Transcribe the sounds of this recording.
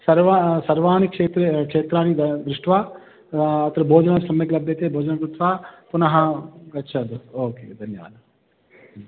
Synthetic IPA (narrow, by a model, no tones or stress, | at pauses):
sɐɾʋasɐɾʋaːnikʂeːt̪ɾekʂeːt̪ɾaːnid̪ɾuʂʈʰʋaː | ɐt̪ɐɾɐbʱoːd͡ʒɐnɐsɐmjɐklɐbʱjɐt̪eːbʱoːd͡ʒɐnɐkɾut̪ʋaːpunɐɦɐɡɐtːt͡ʃʰɐd̪uoːkḛːd̪ʱɐnjɐʋa̰ːd̪ʱɐ